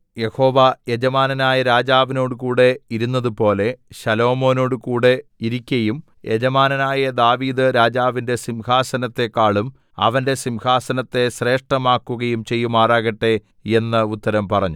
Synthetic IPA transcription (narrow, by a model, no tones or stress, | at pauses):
je̞ho̞ːʋɐjed͡ʑɐmaːnɐnaːjɐɾaːd͡ʑaːʋino̞ːɽukuːɽe̞iɾunːɐðupo̞ːle̞ɕɐlo̞ːmo̞ːno̞ːɽɨkuːɽe̞iɾikʲːɐjum | je̞d͡ʑɐmaːnɐnaːjɐd̪aːʋiːd̪ɨɾaːd͡ʑaːʋinde̞simhaːsɐnɐt̪ːe̞kːaːɭum | ɐ̰ʋɐnde̞simhaːsɐnɐt̪ːe̞ɕre̞ːʂʈɐmaːkːuɣɐjumt͡ɕe̞jːumaːraːɣɐʈːe | e̞nːɐut̪ːɐɾɐmpɐrɐɲːu